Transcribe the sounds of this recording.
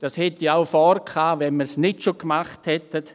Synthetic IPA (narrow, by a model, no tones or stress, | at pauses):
d̥ashɛtiaʊfɔːɾkʰaːvɛnməɾsnɪtʃokmaχthɛtət